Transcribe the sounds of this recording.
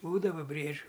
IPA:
ˈbuːdɐʋɐ ˈbʲrʲiɛd͡ʒʲʊ

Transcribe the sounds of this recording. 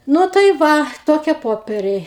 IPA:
ˈnʊ tɐɪ ˈʋɐ ˈtoːkʲiɛ ˈpoːpʲɛrʲɛɪ

